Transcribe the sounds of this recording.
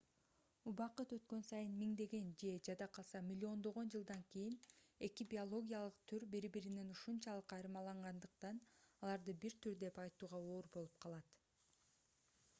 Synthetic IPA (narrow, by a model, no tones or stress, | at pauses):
ubɑqɯt̪ø̞t̪kø̞nsɑjɯnmiŋd̪e̞ɡe̞nd͡ʒe̞d͡ʒɑd̪ɑqʰɑlˠsɑmʲilʲːio̞nd̪o̞ʁo̞nd͡ʒɯlˠd̪ɑŋkijine̞kibʲio̞lˠo̞ɡʲijɑlˠɯqt̪ʰyɾbiɾbiɾine̞nuʃunt͡ʃɑlˠɯqɑjɾɯmɑlˠɑɴʁɑnd̪ɯqt̪ɑnɑlˠɑɾd̪ɯbiɾt̪yɾd̪e̞pɑjt̪uːʁɑo̞ːɾbo̞lˠup̚qʰɑlˠɑt̪